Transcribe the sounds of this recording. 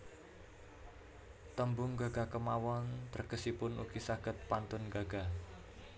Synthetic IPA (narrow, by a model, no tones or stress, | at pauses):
t̪əmbʊŋɡaɡ̥a̤kəmawɔnt̪ərɡ̥əsipʊnṵɡisaɡ̥ət̪̚pant̪ʊnɡaɡ̥a